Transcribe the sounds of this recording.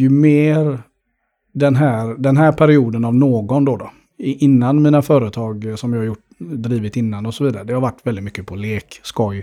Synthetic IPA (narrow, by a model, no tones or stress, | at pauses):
jɵmeːɾ | d̪ɛnɦæːɾd̪ɛnɦæːɾpʰæɾɪuːd̪ənavnoːɡɔnd̪ɔd̪ɔ | ʔɪnːanmiːnafœːɾət̪ʰɑːɡsɔmjɑːhaɾjʊʈː | d̪ɾiːvɪt̪ɪnːanɔsɔviːd̪aɾəd̪ɛhaɾvaʈːvɛld̪ɪt̪mʏkːəpʰɔleːkskɔj